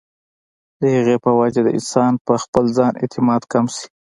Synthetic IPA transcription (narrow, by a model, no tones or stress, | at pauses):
d̪əjaɣepəwad͡ʒad̪əʔɪ̰nsɑnpəxpəlzɑnʔḛt̪ɪmɑd̪kamsi̥